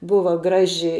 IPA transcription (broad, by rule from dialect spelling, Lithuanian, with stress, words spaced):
ˈbʊʋɐ ˈɡrɑːʒʲɪ